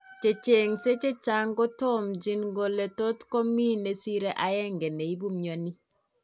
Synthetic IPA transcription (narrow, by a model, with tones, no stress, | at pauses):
t͡ʃe˨t͡ʃe˨ŋse˦t͡ʃe˦t͡ʃa˦ŋɡo˦to˦md͡ʒi˦nɡo˨le˨to˦tko˦miː˦ne˨si˦ɾe˦ʔajɛ˦ŋɡe˨ne˨i˦bu˦mɲo˨ni˦